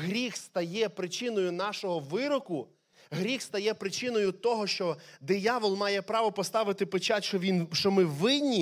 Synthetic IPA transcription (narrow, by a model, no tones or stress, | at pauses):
ɦɾʲixst̪ɐjɛpɾɪt͡ʃɪnɔjʊnɑʃɔɦɔʋɪɾɔkʊ | ɦɾʲixst̪ɐjɛpɾɪt͡ʃɪnɔjʊt̪ɔɦɔʃt͡ʃɔd̪ɪjɑʋɔlˠmɑjɛpɾɑʋɔpɔst̪ɑʋɪt̪ɪpet͡ʃɑtʲʃɔʋʲinʃt͡ʃɔmɪʋɪd̪ʲnʲi